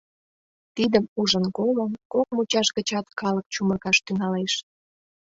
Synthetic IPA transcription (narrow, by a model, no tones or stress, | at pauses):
t̪id̪əmuʒənkoləmkok̚mut͡ɕɑʃɣət͡ɕɑt̪kɑlək̚t͡ɕumərɣɑʃt̪yŋɑleʃ